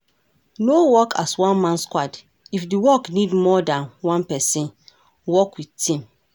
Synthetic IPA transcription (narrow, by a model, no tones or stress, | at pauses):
nowɔkʰaswãnmãnskwad | ifdiwɔknidmɔdãnwãnpɛsĩn | wɔkwidtĩm